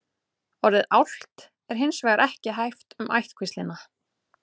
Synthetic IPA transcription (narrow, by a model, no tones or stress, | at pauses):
ɔɾðɪðawl̥t̪ | ɛɾ̥ɦɪnsvɛːɣaɾʔɛhcɪɦajft̪ʏmʔa̰jht̪kʰvist̪lɪna